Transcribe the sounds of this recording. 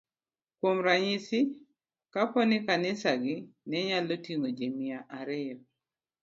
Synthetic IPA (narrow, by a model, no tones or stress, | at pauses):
kwomɾaɲisɪ | kapɔnɪkanɪsaɡɪnɛɲalotiŋod͡ʒemɪaʔaɾɪjɔ